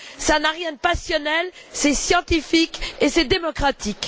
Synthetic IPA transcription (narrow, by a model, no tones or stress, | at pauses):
sanaʁjɛ̃d̪əpasjɔnɛl | sɛsjɑ̃t̪ifikesɛd̪emɔkχat̪ik